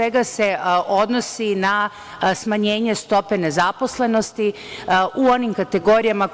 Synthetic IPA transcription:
eɡase̞ʔo̞d̪no̞sina | smaɲe̞ːɲe̞st̪o̞pe̞ne̞zapo̞sle̞no̞st̪i | ʔuo̞nimkat̪e̞ɡo̞ɾijama

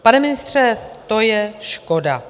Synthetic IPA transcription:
panɛmɪnɪst̪r̝̥ɛt̪o̞jɛʃko̞da

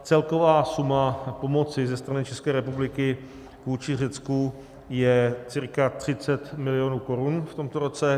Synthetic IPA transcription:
t͡sɛlko̞vaːsumapo̞mo̞t͡sɪzɛst̪ɾanɪt͡ʃɛskɛːɾɛpublɪkɪ | kuːt͡ʃɪr̝ɛt͡sku | jɛt͡sɪɾkat̪r̝̥ɪt͡sɛt̪mɪlɪjonuːko̞ɾunft̪o̞mt̪oɾo̞t͡sɛ

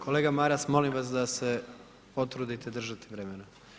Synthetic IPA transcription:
kʰo̞leːɡamaːɾasmo̞limʋasd̪ase̞ | o̞t̪ɾud̪it̪ed̪r̩ʒat̪eʋɾemena

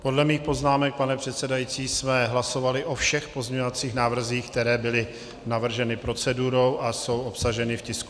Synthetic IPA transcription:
po̞dlɛmiːxpo̞znaːmɛk̚panɛpr̝̥ɛt̪sɛdajit͡siːsmɛɦlaso̞valɪʔo̞fʃɛxpozɲɛɲovat͡siːxnaːvr̩ziːxk̚t̪ɛɾɛːbɪlɪ | navr̩ʒɛnɪpɾo̞t͡sɛduɾo̞wʔaso̞wʔopsaʒɛnɪfcɪsku

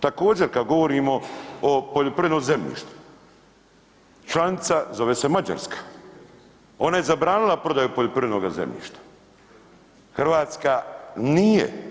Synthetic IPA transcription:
t̪ako̞ːd͡ʑe̞ɾkad̪ɡo̞ʋo̞ɾiːmo̞opo̞ʎʲopɾiʋʲenoze̞mʎḭːʃt̪u̥ | t͡ʃlˠanit̪sazo̞ʋeːse̞mad͡ʑa̰ɾskḁ | o̞naje̞zabɾaːnilˠapɾo̞d̪ajupoʎʲopɾiʋʲenoɡazḛmʎʲḭːʃt̪ḁ | xrʋaːt̪skaniːjḛ

